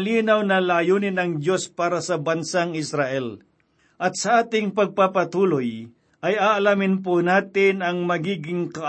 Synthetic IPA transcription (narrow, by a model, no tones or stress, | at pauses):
liːnawnɐlaːjuːnɪnɐŋd̪jo̞spaːɾɐsɐbɐnsaŋɪsɾaʔɛl | ʔɐt̪̚sɐʔaːt̪ɪŋpɐɡ̚papɐt̪uːloj | ʔɐjaːʔɐlamɪnp̬onaːt̪ɪnɐŋmɐɡiːɡɪŋkɐʔ